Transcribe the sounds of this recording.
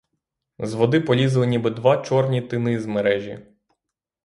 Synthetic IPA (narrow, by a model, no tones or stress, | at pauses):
zʋɔd̪ɪpɔlʲizɐlˠɪnʲibɪd̪ʋɑt͡ʃɔrnʲit̪ɪnɪzmeɾɛʒʲḭ